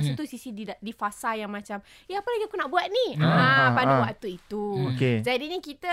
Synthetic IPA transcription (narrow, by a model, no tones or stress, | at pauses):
sut̪usisididifasajaŋmãt͡ʃam | jaapəlaɡiakunaʔbuat̪̚niapanduwaʔt̪uit̪uoked͡ʒadinĩkit̪ə